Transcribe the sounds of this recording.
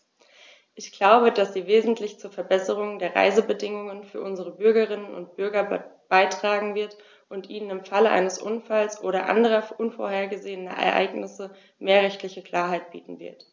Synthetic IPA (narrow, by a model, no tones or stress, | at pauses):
ʔɪçɡ̥laʊbəd̥asz̥iːveːzn̩tlɪçt͡suːɐfɛɐbɛsəʁ̞ʊŋdeːɐʁa̰ɪzəbədɪŋʊŋənfyːɐʔʊnzəʁəbʏɐɡəʁ̞ɪnənʊ̰ntb̥ʏɐɡɐb̥aɪtʁ̥aːɡŋ̩vɪɐt | ʔʊntʔiːnənɪmfaləʔa̰ɪnəsʔʊnfalsʔoːɾɐʔa̰ndəʁ̞ɐʔʊnfo̰ɐɦeːɐɡəzeːənɐ̰ʔɛ̰ɐʔa̰ɪɡnɪsə | meːɐʁɛçtlɪçəkl̥aːɐɦaɪt̚b̥iːtn̩vɪ̰ɐt